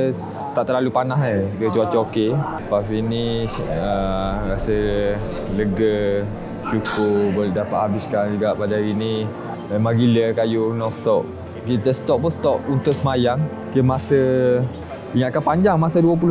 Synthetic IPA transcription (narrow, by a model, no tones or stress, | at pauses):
t̪aʔt̪əlalupanaɦəkəət͡ʃuat͡ʃoke | pafiniʃəɾasə | ləɡə | t͡ʃukuboldapaʔ̪̚habɪskand͡ʒuɡaʔpadaaɾini | memãɡiləkajunɔst̪ɔp̚ | kit̪əsə̥t̪ɔʔ̚pust̪ɔp̚unt̪ʊk̚səmajaŋ | kəmasə | iŋat̪̚kanpaɲd͡ʒaŋmasəduəp̬ulʊ